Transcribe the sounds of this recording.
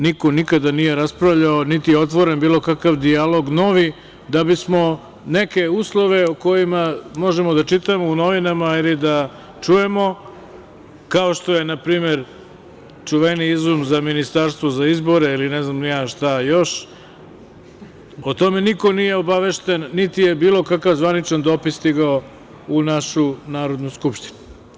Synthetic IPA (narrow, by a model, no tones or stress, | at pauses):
niko̞nikad̪anije̞ɾaspɾaʋʎaonit̪ijeo̞t̪̬ʋo̞ɾenbiːlˠo̞kakaʋd̪ialˠo̞ɡno̞ʋi | d̪abismo̞ | neke̞uːslˠo̞ʋe̞oko̞jimamo̞ʒemo̞d̪at͡ʃit̪amouno̞ʋinamailid̪a | t͡ʃuje̞mo̞ | kao̞ʃt̪o̞je̞napɾiːme̞ɾ | t͡ʂuʋeniizumzaminist̪aɾst̪ʋo̞zaizbo̞ɾeilinɛznamnijaːʃt̪ajoʃ | ot̪o̞me̞niko̞nijeobaʋe̞ʃt̪enːit̪ije̞biːlˠo̞kakaʋzʋanit͡ʃand̪oːpist̪iɡao | unaʃunaːɾo̞d̪nujskupʃt̪i̥nu